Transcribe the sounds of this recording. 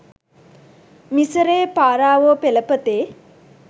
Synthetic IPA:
misəɾeːpaːɾaːʋoːpeləpət̪eː

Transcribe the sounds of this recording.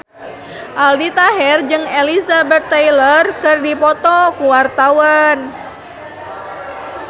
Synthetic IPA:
ʔaldit̪aɦɛrd͡ʒɨŋelizabɛt̪ːejlərkɨrdipɔt̪ɔkuwart̪awan

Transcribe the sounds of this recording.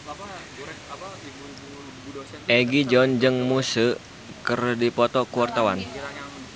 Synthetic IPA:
ʔɛɡid͡ʒɔnd͡ʒɨŋmusə | kərdipɔt̪ɔkuwart̪awan

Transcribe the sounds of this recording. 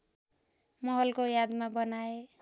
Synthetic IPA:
mʌɦʌlkojad̪mabʌnae

